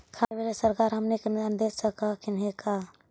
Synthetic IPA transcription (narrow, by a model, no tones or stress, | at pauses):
kʰabʱeɾesəɾkaɾɦəmniknand̪esəkakinɦeka